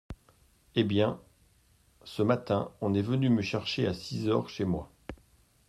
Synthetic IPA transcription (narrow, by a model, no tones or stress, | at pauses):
ebjɛ̃ | səmat̪ɛ̃ɔ̃nɛvənyməʃɛʁʃeasizœʁʃemwa